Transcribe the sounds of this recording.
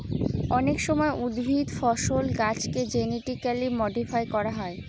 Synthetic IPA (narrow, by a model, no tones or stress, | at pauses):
ɔnekʃɔmɔeʔud̪bʱid̪fɔʃolɡat͡ɕked͡ʑeniʈikalimɔɖifajkɔɾaɦɔe